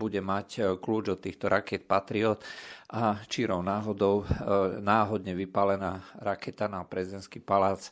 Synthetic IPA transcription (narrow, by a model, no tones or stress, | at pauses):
buɟɛmackluːd͡ʒɔt̪ːiːxt̪ɔɾʔakɛt̪̚pat̪ɾiɔt̪ʔat͡ʃiɾɔʊnaːɦɔd̪ɔʊnaːɦɔd̪ɲɛʋipalɛnaːɾakɛt̪anapɾɛzid̪ɛnskipalaːt͡s